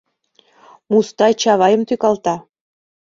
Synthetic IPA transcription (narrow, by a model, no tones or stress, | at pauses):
must̪ɑjt͡ɕɑβɑjə̆mt̪ykɑlt̪ɑ